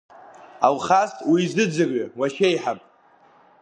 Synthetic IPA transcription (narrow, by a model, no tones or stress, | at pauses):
alχastʼwizɨd͡zɨrawaʃejħapʼ